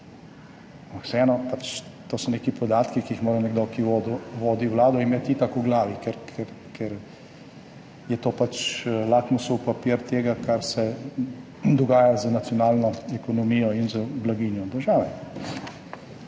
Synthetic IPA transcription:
ampaksɛɛːnɔpat͡ʃt̪oːsɔneːkipɔd̪aːt̪kikiixmoːɾanɛɡd̪oːkiʋoːd̪uʋoːd̪iwlaːd̪ɔimjɛt̪it̪akuɡlaːʋikɛɾkʰɛɾ | kʰɛɾ | jɛt̪oːpat͡ʃlaːkmusɔwpapiːɾt̪eːɡakʰaɾsɛ | d̪ɔɡaːjazənat̪sijɔnaːlnɔɛkɔnɔmiːjɔinzəblaɡiːnjɔd̪əɾʒaːʋɛ

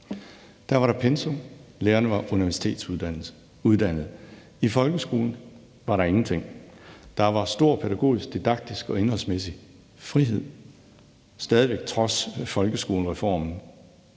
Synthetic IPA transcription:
d̥æɐʋɑ̈ɾɑ̈pʰensoleːɐnəʋɑ̈ʔuniʋæɐsi̥t͡sʰe̝̰ːd̥sæn̰l̩ | uðˠd̥æn̰ð̞̩ˠ | ifɒ̽lɡ̥əsɡ̥o̝ːln̩ | ʋɑ̈ɾɑ̈e̝ŋn̩t͡sʰe̝ŋ̰d̥ɑ̈ʋɑ̈sd̥o̝ɐ̰pʰeɾæɡ̥o̝̰ːisɡ̥̚d̥id̥ɑ̈ɡ̥̚d̥isɡ̥ɒ̽e̝nhɒ̽lsmesi | fʁiɦe̝ð̞̰ˠ | sd̥ɛːð̞ˠiʋeɡ̥̚t͡sʰʁɒ̽sfɒ̽lɡ̥əsɡ̥o̝ːləʁɛfɒ̰ːmn̩

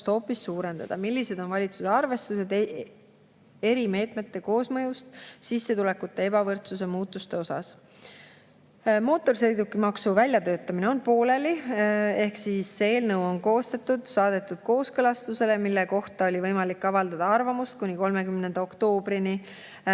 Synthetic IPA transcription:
t̪ho̞ːpːˑisːuːɾe̞nd̪̥ɑ̰d̪̥ɑmilʲːise̞d̪̥o̞nvɑlʲit̪susɑrve̞st̪use̞d̪ | e̞ɾime̞ːt̪ˑme̞t̪ːe̞ko̞ːsmɤjust̪sisːe̞t̪ule̞kːut̪ːe̞e̞bɑvɤrt̪suse̞muːt̪ːˑust̪e̞o̞sɑ̰s | mo̞ːt̪ːˑo̞rs̬ejd̪ukːˑimɑksuvælʲjɑt̪øːt̪ːˑɑmine̞o̞npo̞ːle̞lie̞hksisːeːlnɤwo̞nko̞ːst̪ɑt̪ːˑud̪̥sɑːd̪̥e̞t̪ːˑud̪̥̚ko̞ːskɤlɑst̪use̞le̞milːeko̞ht̪ɑo̞lʲivɤjmɑlikːɑvɑld̪ɑd̪ɑɑrvɑmust̪kunʲiko̞lme̞kymnend̪̥ɑo̞kt̪o̞ːb̥ɾini

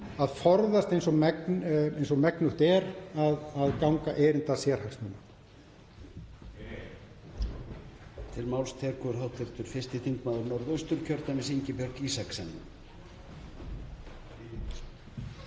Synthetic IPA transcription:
aðfɔɾðast̪ejnsɔɣmɛknejnsɔɣmɛknʏht̪ɛɾaðaðkawŋkaʔeɾɪnt̪asjɛɾ̥haksnuːma | t̪ʰɪlmaːwlst̪ʰɛːkʏʏɾhɦawt̪ʰɪlt̪ʏɾ̥fɪrst̪ɪθiŋkmaːðʏɾnɔɾðœɥst̪ʏɾ̥cʰœɾt̪amɪs̬iɲcɪpjœɾkiːsaksɛn̰ː

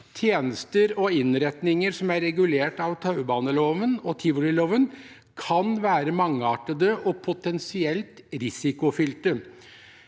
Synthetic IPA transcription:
t̪ʰjeːnəst̪əɾɔɪnɾɛt̪nɪŋəɾsɔmæɾɛɡʉleːʈɑʋt̪ʰɑʉəbɑːnəloːʋənɔt̪ʰɪʋəlɪloːʋən | kʰɑnʋæːɾəmɑŋːɑːʈəd̪əʔɔpʰʊt̪ɛnsɪɛlt̪ɾɪsɪkʊfʏlt̪ə

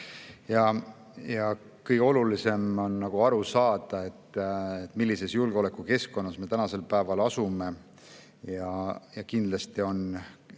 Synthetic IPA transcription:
jɑ | jɑ | kɤjɡeo̞lulise̞monːɑɡ̥uɑɾusɑːd̪̥ɑe̞t̪ːet̪ːˑmilːise̞sjulɡ̥eo̞le̞kːˑuke̞sko̞nːɑsme̞t̪ænɑse̞lpæːvɑlɑsume̞ | jɑjɑkind̪̥lɑst̪io̞n

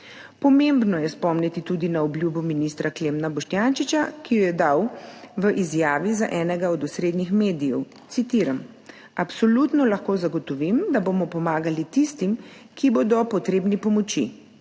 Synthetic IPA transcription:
pɔmembnɔjɛspɔmnit̪it̪ud̪inaɔblʲjuːbuminist̪ɾaklemnabɔʃt̪jant͡ʃit͡ʃakijɔjɛd̪awʋəʔizjaːʋiza̰ʔɛːnɛɡaɔd̪usɾeːd̪nixmeːd̪ijɛw | t̪sit̪iːɾam | apsɔlut̪nɔlaxkoːzaɡɔt̪ɔʋimd̪aboːmɔpɔmaːɡalit̪ist̪im | kiboːd̪ɔpɔt̪ɾeːbnipɔmɔt͡ʃḭ

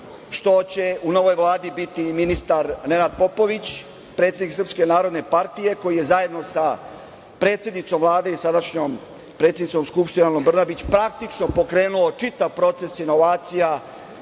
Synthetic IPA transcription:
ʃt̪o̞t͡ɕe̞uno̞ʋo̞jʋlˠaːd̪ibit̪iminist̪aɾne̞nad̪̚po̞po̞ʋit͡ɕ | pɾe̞t̪sʲjed̪iksɾr̩pske̞naːɾo̞d̪ne̞paɾt̪ije̞ko̞jije̞zaje̞d̪no̞sa | pɾe̞ːt̪sjed̪nit̪so̞mʋlˠaːd̪e̞isad̪aʃɲom | pɾet̪sʲjed̪nitso̞mskupʃt̪inalombr̩nabit͡ɕpɾak̚t̪it͡ʃno̞po̞kɾe̞ːnuo̞t͡ʃit̪aʋpɾo̞t̪se̞sino̞ʋaːt̪sija

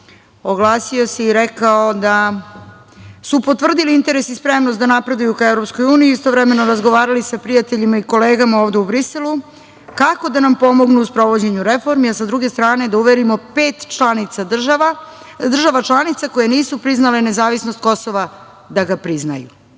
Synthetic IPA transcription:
oɡlˠaːsio̞seiɾekaod̪a | supot̪ʋr̩d̪iliint̪e̞ɾesispɾemnost̪d̪anapɾe̞d̪ajukaevɾo̞psko̞juːnijiist̪oʋɾeme̞no̞ɾazɡo̞ʋaːɾalisapɾijat̪e̞ʎimaiko̞le̞ːɡamao̞ːʋd̪e̞ubɾise̞lu | kako̞d̪anampo̞mo̞ɡnuːspɾo̞ʋo̞d͡ʑe̞ɲuɾefo̞ɾmiasad̪ɾuɡe̞st̪ɾaːne̞d̪auʋeɾimo̞pe̞ːt̪anit̪sa | d̪r̩ʒaʋat͡ʃlˠanit̪sako̞jeniːsupɾiznale̞ne̞zaːʋisnost̪̚ko̞soʋa | d̪aɡapɾizna̰jṵ

